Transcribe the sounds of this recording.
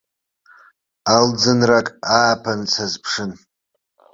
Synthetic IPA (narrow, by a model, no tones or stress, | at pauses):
ald͡zɨnrakʼaːpʰant͡sʰazpʰʂɨn